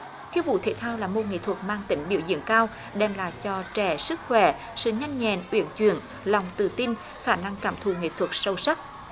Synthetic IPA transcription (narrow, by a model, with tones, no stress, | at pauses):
t̪ʰi˧əwvṵ˧˨t̪ʰe˧˨˩t̪ʰaː˧wlaː˨˩mo˨˩ŋḭ˧˨t̪ʰwə˨˩k̚maː˧ŋt̪ï˨˦ŋ̟ɓi˧˦əwzḭ˧˨əŋkaː˧w | ɗɛ˧˩mla̰ː˧˨jt͡ɕɔ˧t͡ɕɛ˧˩sɨ˦˥k̚xwɛ˧˩ | sɨ̰˧˨ɲa˧jŋ̟ɲɛ̰˧˨nʔwḭ˧˩ənt͡ɕwḭ˧˨ən | la˨˩wŋ͡mt̪ɨ̰˨˧˩t̪i˧n | xaː˧˩na˧ŋkaː˧˩mt̪ʰu˧˩ŋḭ˧˨t̪ʰwə˨˩k̚sə˧wsa˦˥t̚